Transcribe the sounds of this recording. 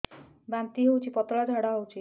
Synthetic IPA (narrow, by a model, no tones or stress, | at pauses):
bamt̪iɦewt͡ʃʰipɔt̪ɭad͡ʒʱaɽaɦowt͡ʃʰi